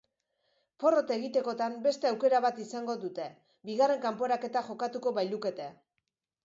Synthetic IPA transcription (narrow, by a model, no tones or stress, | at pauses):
po̞ro̞t̪e̞ɣit̪e̞ko̞t̪ambe̞st̪e̞awke̞ɾaβat̪isaŋɡo̞ðut̪e̞ | biɣare̞ŋkampo̞ɾake̞t̪axo̞kat̪uko̞βajluke̞t̪e̞